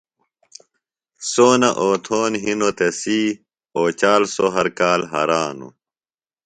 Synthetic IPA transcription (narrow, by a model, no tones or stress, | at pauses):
soːnɐʔoːt̪ʰoːnɦinot̪esi | oːt͡ɕaːlsoɦɐɾkaːlɦɐ̰ɾaːnṵ